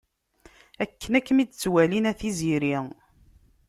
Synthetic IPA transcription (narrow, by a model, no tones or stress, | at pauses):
ækːənækːəmid̪t͡sːwælinæθiziɾi